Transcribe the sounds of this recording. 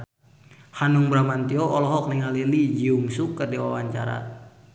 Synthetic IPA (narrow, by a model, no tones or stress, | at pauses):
hanuŋbɾamant̪iɔɔlɔɦɔk̚niŋalilid͡ʒiuŋsukːərdiwawaɲt͡ʃa̰ɾa̰